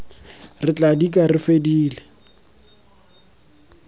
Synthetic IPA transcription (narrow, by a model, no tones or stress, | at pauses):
rɪt͡ɬʼadikʼarɪfediːlɛ